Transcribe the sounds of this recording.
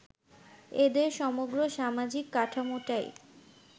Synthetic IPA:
ed̪eɾʃɔmoɡɾoʃamad͡ʑikːaʈʰamoʈaj

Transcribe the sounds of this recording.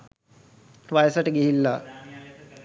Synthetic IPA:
ʋajəsaʈəɡiɦilːa

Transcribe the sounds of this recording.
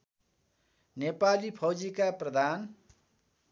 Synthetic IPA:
nepalipʰʌwd͡zikaprʌd̪ʱan

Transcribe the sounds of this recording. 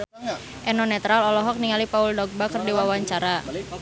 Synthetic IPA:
ʔɛnɔnɛt̪ɾalɔlɔɦɔk̚niŋalipauldɔɡ̚bakərdiwawaɲt͡ʃaɾa

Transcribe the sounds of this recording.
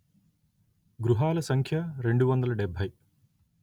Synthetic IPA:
ɡɾuɦaːlɐsɐŋkʰjɐɾe̞ɳɖuʋɐnd̪ɐlɐɖebʱːɐj

